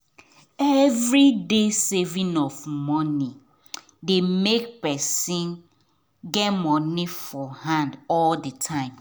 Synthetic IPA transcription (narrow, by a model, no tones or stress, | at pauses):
ɛvɹidesɛvĩnɔfmɔni | demek̚pɛsĩn | ɡɛtmɔniffɔhãndɔldətʰãɪ̃m